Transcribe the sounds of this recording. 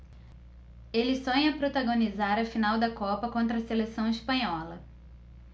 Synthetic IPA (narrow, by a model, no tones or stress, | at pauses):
elɪsõɲɐɐpɾot̪aɡõnizaɾɐfinawd̪ɐkɔpɐkõnt̪ɾɐselesɐ̃w̃ispɐ̃ɲɔlɐ